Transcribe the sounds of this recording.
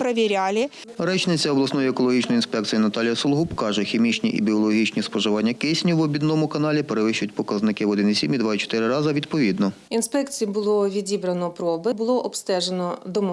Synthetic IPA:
pɾɐʋʲiɾʲalʲɪ | ɾɛt͡ʃnɪt͡sʲɐɔblˠɐsnɔjiekɔlˠɔɦʲit͡ʃnɔjinspɛk̪̚sijinɐt̪ɑlʲjɐsɔlˠɦupkɑʒɛxʲimʲit͡ʃnʲiʔḭbʲiɔlˠɔɦʲit͡ʃnʲispɔʒɪʋɑnʲːɐkɪsʲnʲiwɔbʲid̪nɔmʊkɐnɑlʲipeɾeʋɪʃt͡ʃʊjʊt̚ʲpɔkɐznɪkɪʋɔd̪ɪnisʲimʲid̪ʋɑit͡ʃɔ̥t̪ɪɾɪɾɑzɐʋʲid̪pɔʋʲid̪nɔ | inspɛkt͡sʲijibʊlˠɔʋʲidʲibɾɐnɔpɾɔbɪbʊlˠɔʔɔpst̪ɛʒenɔd̪ɔmɔ

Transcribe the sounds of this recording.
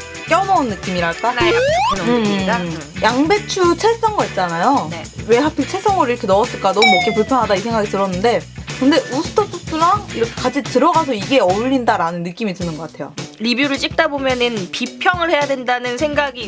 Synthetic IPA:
k͈jʌmʌunːɯk͈imiɾaɭk͈aneɯajaŋbe̞t͡ɕʰut͡ɕʰes͈ʌŋɡʌit̚t͡ɕ͈anajonewe̞ɦapʰit͡ɕʰes͈ʌŋɡʌɾiɾʌkʰenʌʌs͈ɯɭk͈anʌumok͈ːepuɭpʰjʌnɦadais̬ʰe̞ŋɡaɡit͈ɯɾʌnːɯnde̞kɯnde̞ʔusʰɯ̥tʰʌtʰus͈ɯɾaŋiɾʌkʰe̥kad͡ʑʰitɯɾʌɡasʰʌiɡe̞ʌʎːindaɾanɯnːɯk͈imitɯnɯnɡʌk͈atʰe̞jo̰ɾibjuɾɯɭt͡ɕ͈ik̚t͈abomjʌnɯnpipʰjʌŋɯɭhe̞jadwe̞ndanɯnsʰeŋɡaɡi

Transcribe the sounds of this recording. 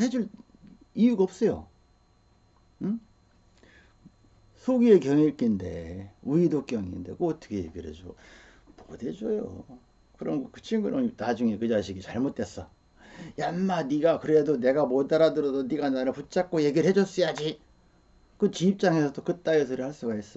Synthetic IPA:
he̞d͡ʑuɭ | ijuɡaʌp̚s͈ʌjo̰ | ɯ | sʰoɡie̞kjʌŋiɭk͈inde̞̰uidok͈jʌŋḭnde̞̰koʌt͈ʰʌ̥kʰejḛɡiɾhḛd͡ʑo | mode̞d͡ʑojo̰ | kɯɾʌnɡʌkɯt͡ɕʰiŋɡɯnʌŋnad͡ʑuŋe̞kɯd͡ʑaɕʰiɡit͡ɕaɭmot͈̚e̞s͈ʌ | janːaniɡakɯɾe̞done̞ɡamodaɾadɯɾʌdoniɡanaɾɯput͡ɕ͈ak̚k͈oje̞ɡiɯɭhe̞d͡ʑʌs͈ɯjad͡ʑi | kɯt͡ɕiːp̚t͡ɕ͈aŋesʰʌt͈okɯt͈ajis̬ʰɯɾɯɭhaɭs͈uɡais͈ʌ

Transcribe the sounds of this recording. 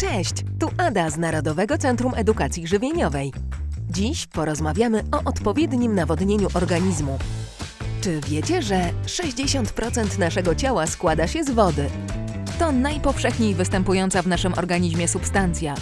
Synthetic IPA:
t͡ʂɛɕt͡ɕt̪uʔad̪aznaɾɔd̪ɔvɛɡɔt̪sɛnt̪ɾumʔɛd̪ukat̪sʲjiʐɘvʲjeɲɔvɛjd͡ʑiɕpɔɾɔzmavʲjamɘɔʔɔt̪pɔvʲjɛd̪ɲimnavɔd̪ɲeɲuʔɔɾɡaɲizmu | t͡ʂɘvʲjɛt͡ɕɛʐɛʂɛʑd͡ʑeɕɔnt̪pɾɔt̪sɛnt̪naʂɛɡɔt͡ɕawaskwad̪aɕɛzvɔd̪ɘt̪ɔnajpɔfʂɛxɲejvɘst̪ɛmpujɔnt̪savnaʂɘmʔɔ̰ɾɡaɲiʑmʲjɛsupst̪ant̪sʲja

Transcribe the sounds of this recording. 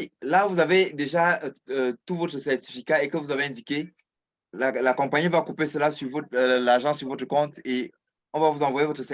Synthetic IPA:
ilavuzaved̪eʒaøt̪uvɔt̪χəsɛʁt̪i̥fikaekəvuzaveɛ̃d̪ike | lalakɔ̃paɲivakupesəlasyʁvolaʁʒɑ̃syʁvɔt̪χəkɔ̃t̪e | ɔ̃vavuzɑ̃vwajevot̪χəsɛ

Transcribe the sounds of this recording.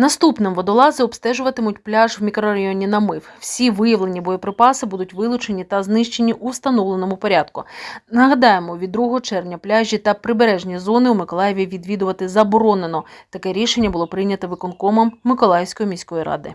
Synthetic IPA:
nɐst̪upnɪmʋɔd̪ɔlˠɑzɛɔbst̪ɛʒʊʋɐt̪ɪmʊt̚ʲplʲaʒwmʲikɾɔɾɐjɔnʲinɐmɪwwsʲiʋɪjɐʋlˠe̞nʲibɔjɔpɾɪpɑsɪbud̪ʊtʲʋɪlˠʊt͡ʃe̞nʲit̪ɐznɪʃt͡ʃenʲiʔust̪ɐnɔʋlˠenɔmʊpɔɾʲad̪kʊnɐɦɐd̪ɑjemɔʋʲid̪d̪ːɾuɦɔɦɔt͡ʃɛrʋnʲɐplʲaʒʲit̪ɐpɾɪbeɾɛʒnʲizɔnɪumɪkɔlˠɑjeʋʲiʋʲid̪ʋʲid̪ʊʋɐt̪ɪzɐbɔɾɔnenɔt̪ɐkɛɾʲiʃenʲːɐbʊlˠɔpɾɪjnʲɐt̪ɔʋɪkɔnkɔmɐmːɪkɔlˠɑjɪwsʲkɔjimʲisʲkɔjiɾɑ̰d̪ɪ̰

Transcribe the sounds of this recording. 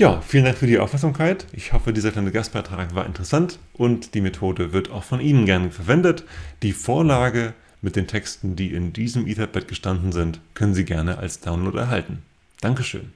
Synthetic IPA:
jaːfiːləndaŋkfyːɐdiːʔa̰ʊfmɛɐkzamkʰaɪtʔɪçhɔfədiːzɐklaɪnəɡast̚b̥aɪtʁ̥aːkvaːɐʔɪ̰ntəʁəsant | ʔʊntd̥iːmetʰoːdəvɪɐta̰ʊxfɔnʔiːnənɡɛɐnəfɛɐvɛndətd̥iːfoːɐlaːɡə | mɪt̚d̥eːntʰɛkstn̩diːɪndiːzəmʔiːtʰɛp̚b̥ɛt̚ɡ̥əʃtandn̩zɪntkʰœnənziːɡɛɐnəʔa̰lsd̥aʊnloːtɛ̰ɐɦaltn̩ | d̥aŋkəʃø̰ːn

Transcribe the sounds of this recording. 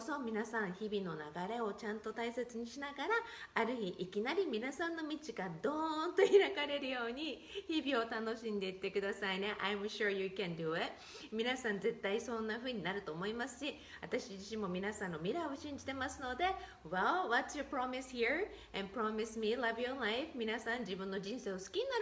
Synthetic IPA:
oso̞mʲinasãɰ̃çibʲino̞naɡaɾe̞o̞t͡ɕãnt̪o̞t̪aise̞t͡sɨɲ̟iɕinaɡaɾaːɾɯ̟çiʔːkʲinaɾʲimʲinasãnːo̞mʲit͡ɕiɡad̪õ̞nd̪o̞iɾakaɾe̞ɾɯ̟jo̞ːɲ̟içibʲio̞t̪ano̞ɕĩnd̪e̞it̪ːe̞kɯ̟d̪asaine̞ʔajmɕuɹjɨkɛ̃nd̪ɨet | mʲinasãnze̞t̪ːaisõ̞nːaɸɯ̟ːɲ̟inaɾɯ̟t̪o̞ːmo̞imasɨ̥ɕi | βat̪aɕid͡ʑiɕĩmːo̞mʲinasãnːo̞mʲiɾaio̞ɕĩɲ̟d͡ʑit̪e̞masɨno̞d̪e̞ | walwatsjɨpɾamishiɹ | ɛ̃npɾamismilavjolajɸmʲinasãɲ̟d͡ʑibɯ̟̃nːo̞d͡ʑĩɰ̃se̞ːosɨ̥kʲiɲ̟inaɾ

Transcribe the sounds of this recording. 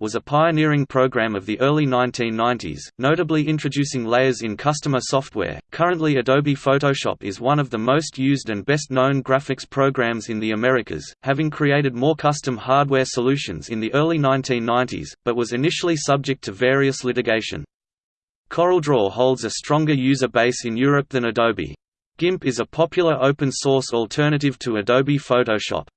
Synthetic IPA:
wʌzəpʰaɪɨnɪɹɪ̃ŋpʰɹ̥oʊɡɹæ̃mʌvðiʔɜ˞lˠinãɪ̃ntʰĩnːãɪ̃ntḭz̥noʊɾɨbliɪ̃nt͡ʃɹ̥ɨdʉsɪ̃ŋleɪə˞zɨ̃nkʰʌstəmə˞sɔft̚wɛ̰ɹkʰʌɹɨ̃nʔliɨdoʊbifoʊɾoʊʃɑ̰pɨzwʌ̃nʌvðəmoʊstjʉzdɨ̃nbɛstⁿnõʊ̃nɡɹæfɨkspʰɹ̥oʊɡɹæ̃mzɨ̃nðiɨmɛɹɨkʰɨ̰z̥hævɪ̃ŋkʰɹ̥ieɪɾɨd̚mɔɹkʰʌstɨ̃mhɑɹd̚wɛɹsəlʉʃɨ̰̃nzɨ̃nðiʔɜ˞lˠinãɪ̃ntʰĩnːãɪ̃ntḭz̥b̥ʌt̚wʌzɨnɪʃl̩ˠisʌb̚d͡ʒɨk̚tʰɨvɛɹiɨslɪɾɨɡeɪʃɨ̰̃n | kʰɔɹl̩ˠdɹɔhoʊlˠdzɨstɹ̥ɔ̃ŋɡə˞jʉzə˞beɪsɨ̃njʊɹɨp̚ðɨ̃nɨdoʊbḭ | ɡ̥ɪ̃mpɨzəpʰɑpʰjl̩ˠə˞ʔoʊpɨ̃nsɔɹsɔl̩ˠtʰɜ˞ñɨɾɨv̥tʰəɨdoʊbifoʊɾoʊʃɑ̰p̚

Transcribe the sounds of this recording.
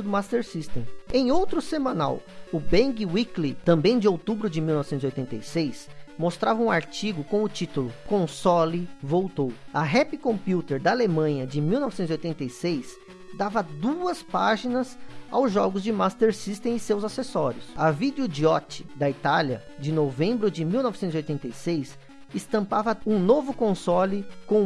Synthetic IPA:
d̪ʊmast̪eɾsist̪ẽẽj̃owt̪ɾʊsemɐ̃na̰wʊbẽɡiwiklit̪ɐ̃mbẽj̃d͡ʒɪowt̪ubɾʊd͡ʒɪmiwnɔvɪsẽt̪ziojt̪ẽt̪ejsejsmost̪ɾavɐũaɾt͡ʃiɡʊkõmʊt͡ʃit̪ʊlʊkõsɔlivowt̪owɐɦɛpɪkõmpjut̪eɾd̪ɐːlemɐ̃ɲɐd͡ʒɪmiwnɔvɪsẽt̪zjojt̪ẽnt̪ejsejs | d̪avɐd̪uɐspaʒinɐza̰wzʒɔɡʊzd͡ʒɪmast̪eɾsist̪ẽɪsewzasesɔɾjʊsɐvid̪ʊd͡ʒiɔt͡ʃɪ̥d̪ɐit̪aljɐd͡ʒɪnovẽmbɾʊd͡ʒɪmiwnɔvɪsẽt̪ziojt̪ẽnt̪ejsejs | ɪst̪ɐ̃mpavɐũnovʊkõsɔlɪkõ

